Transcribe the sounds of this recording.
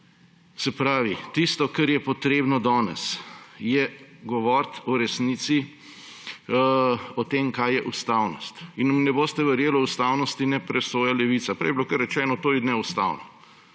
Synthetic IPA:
sɛpɾaːʋit̪ist̪ɔkaɾjɛpɔt̪ɾeːbnɔd̪ɔːnɛ̰sjɛɡɔʋɔːɾt̪ɔɾɛsniːt̪si | ɔt̪eːmkajjɛʔust̪aːwnɔst̪innɛboːst̪ɛʋɛɾjeːlɔust̪aːwnɔst̪inɛpɾɛsoːjalɛʋit̪sapɾɛ̰jɛbilokɐɾːɛt͡ʃɛːnɔt̪oːjɛd̪nɛust̪a̰ːwnɔ

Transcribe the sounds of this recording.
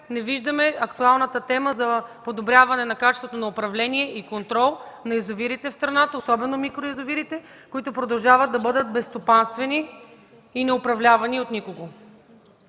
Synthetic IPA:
nɛviʒd̪əmɛɐkt̪ualˠnət̪ət̪ɛməzɐpod̪obɾʲjavɐnɛnɐkat͡ʃɛst̪vot̪onɐopɾɐvlɛniɛʔikont̪ɾɔlˠnɐɛzoviɾit̪ɛfst̪ɾɐnat̪əosɔbɛnomikɾoizoviɾit̪ɛ | koit̪ʊpɾod̪ɐlˠʒavəd̪̚d̪ɐbɤd̪ət̪̚bɛst̪opanst̪vɛniː | nɛopɾɐvlʲavɐniot̪nikoɡo

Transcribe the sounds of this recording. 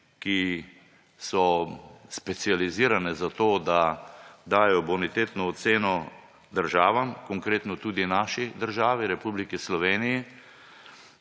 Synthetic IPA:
ki | sɔspɛt̪sializiːɾanɛzat̪oːd̪ad̪aːjɔbɔnit̪eːt̪nɔːt̪seːnɔ | d̪əɾʒaːʋamkɔŋkɾeːt̪nɔt̪uːd̪inaʃid̪əɾʒaːʋiɾɛpuːblikislɔʋeːniji

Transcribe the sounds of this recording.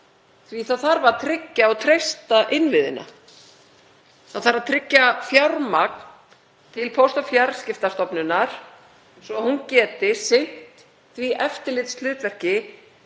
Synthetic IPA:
θviθaðθaɾvaɾt̪ʰɾɪcːaɔɣt̪ʰɾejst̪aʔɪnvɪðɪ̰na̰ | θaðθaɾaðt̪ʰɾɪcːafjawɾmak̚n | t̪ʰɪlpʰowst̪ɔfjaɾscɪft̪ast̪ɔpnʏnːaɾ̥ | svɔhuncɛːt̪ɪsɪn̥t̪ | θviʔɛft̪ɪɾlɪt̪slʏːt̪vɛr̥cɪ

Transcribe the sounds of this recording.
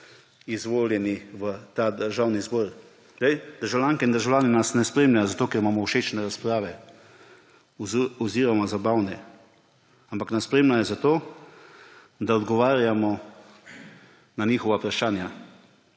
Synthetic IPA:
izʋoːljɛniʋət̪ad̪əɾʒaːwnizbɔɾ | ɛjd̪̥əɾʒawljaŋkɛind̪əɾʒawlʲaːninasnɛspɾeːmlʲajɔzat̪oːkɛɾimaːmɔwʃet͡ʃnɛɾaspɾaːʋɛ | uziːɾɔmɔzabawnɛ | ampaknaspɾeːmlʲajɔzat̪oː | d̪aɔd̪ɡɔʋaːɾjamɔ | naniːxɔʋapɾaʃaːnja

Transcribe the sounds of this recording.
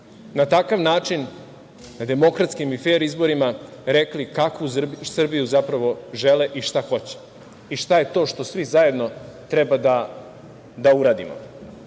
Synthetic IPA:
nat̪akaʋnaːt͡ʃin | nad̪e̞mo̞kɾat̪skimife̞ːɾizbo̞ɾima | ɾeklikakʋusr̩bijuzapɾaʋo̞ʒeleʔiʃt̪axo̞t͡ɕe̥ | iʃt̪aje̞t̪o̞ːʃt̪o̞sʋizaje̞d̪no̞t̪ɾebad̪a | d̪auɾaːd̪ḭmo̰

